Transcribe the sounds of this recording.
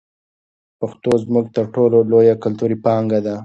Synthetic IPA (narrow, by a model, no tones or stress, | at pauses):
paxt̪ozmʊɡ̚t̪əɾʈololojakalt̪uɾipɑŋɡad̪a